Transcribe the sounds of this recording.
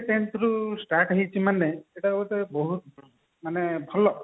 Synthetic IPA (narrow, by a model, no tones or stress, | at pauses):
ʈeɳʈɾusʈaʈaɦit͡ʃʰimaneeʈaut̪ebɔɦut̪ | manebʱɔlɔ